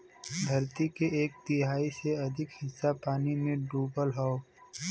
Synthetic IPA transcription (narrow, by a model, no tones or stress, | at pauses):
ɡʱɐɾt̪ikeeːk̚t̪ɪɦaːiseɐd̪ʱɪkhɪsːapaːnimẽɖuːbəlɦɐo